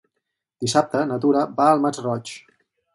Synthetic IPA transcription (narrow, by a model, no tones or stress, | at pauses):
d̪isap̚t̪ənət̪uɾəbaːlˠmatrɔt͡ʃ